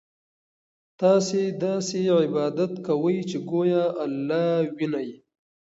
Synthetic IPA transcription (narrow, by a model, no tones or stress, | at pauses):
t̪ɑːsed̪ɑːseʕɪbɑːd̪at̪kawəjt͡ʃeɡojaʔalːɑːwinaj